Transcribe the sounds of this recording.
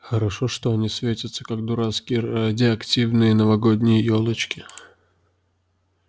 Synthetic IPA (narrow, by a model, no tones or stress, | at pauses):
xəɾɐʂoʂt̪oɐnʲisvʲetʲət̪sə̥kak̚d̪ʊɾaskʲɪjəadʲɪɐktʲivnɨjənəvɐɡodʲnʲɪjəjolˠət͡ɕkʲɪ